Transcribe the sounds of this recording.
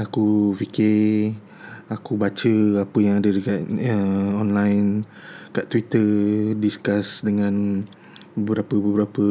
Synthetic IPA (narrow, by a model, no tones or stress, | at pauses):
akuvike | akubat͡ʃəapəjaŋadədəkaʔəɔnlajn | kaʔt̪wit̪ədiskasdəŋãn | bəbəɾapəbəbəɾapə